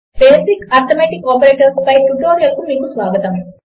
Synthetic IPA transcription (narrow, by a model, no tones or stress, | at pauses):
beːsikaːɾt̪omeːʈikːoːpɐɾeːʈɐɾspɐjʈuʈoːɾijɐlkumiːkusʋaːɡɐt̪ɐm